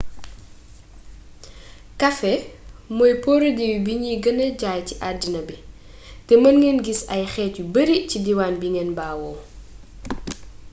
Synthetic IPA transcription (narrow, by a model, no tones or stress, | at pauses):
kɐfɛmɔjpɔːɾodiwibiɲiɡənəɟaːjciʔadinɐbi | tɛmɐnŋɡɛnɡisɐjxɛːtubəɾicidiwaːnbiŋɛnbaːwɔː